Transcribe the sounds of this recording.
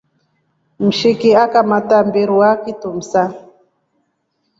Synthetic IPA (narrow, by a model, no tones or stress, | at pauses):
m̩ʃikiakamatambiɾuakitum̩sa